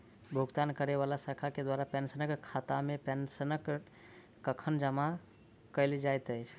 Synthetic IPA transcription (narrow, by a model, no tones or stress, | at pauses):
bʱuɡt̪ankəɾeβalasəkʰaked̪waɾapɛnsənəkkʰːat̪amepɛnsənək | kəkʰənd͡ʒəma | kəɪlid͡ʒajt̪əjt͡ʃʰ